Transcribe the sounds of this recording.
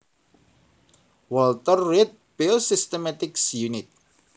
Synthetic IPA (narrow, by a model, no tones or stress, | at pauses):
wɔlt̪ərːit̪̚bɪlsɪst̪əmat̪ɪksjunɪt̪̚